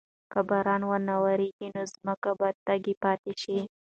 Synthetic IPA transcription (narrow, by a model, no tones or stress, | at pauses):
kəbaɾɑnwənawaɾeɡinozməkabɑjd̪̚t̪aɡepɑt̪eʃi